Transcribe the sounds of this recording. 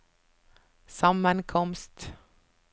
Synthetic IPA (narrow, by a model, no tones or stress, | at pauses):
sɑmənkʰɔmst̪